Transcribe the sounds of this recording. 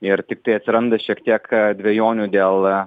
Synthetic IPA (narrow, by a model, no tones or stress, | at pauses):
ɪɾt̪ʲɪk̚t̪ɐɪɐt̪ʲsʲɪɾɐnd̪ɐʃʲiɛkt̪ʲiɛkd̪ʲʋʲejoːnʲuːd̪ʲeːlˠ